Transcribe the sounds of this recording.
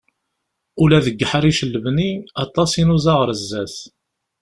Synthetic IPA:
ulæðəɡːəħɾiʃəlːəvniɑt̪ˤːɑsinuzɑʁəɾəzːæθ

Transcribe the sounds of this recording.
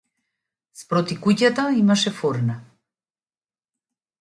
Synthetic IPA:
spɾɔt̪ikucat̪aimaʃɛfɔɾna

